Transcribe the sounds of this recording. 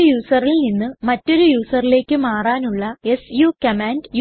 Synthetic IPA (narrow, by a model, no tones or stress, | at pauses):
juːsɐrilninːɨmɐtːo̞ɾujuːsɐrile̞ːkːɨmaːraːnuɭːɐe̞sjukɐmaːndj